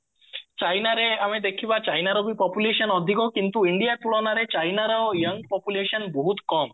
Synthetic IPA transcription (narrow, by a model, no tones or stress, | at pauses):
t͡ʃajnaɾeamed̪ekʰibat͡ɕajnaɾobipɔpuleʃənɔd̪ʱikokint̪uiɳɖijat̪uɭɔnaɾet͡ʃajnaɾɔjəŋɡpɔpuleʃənboɦut̪kɔm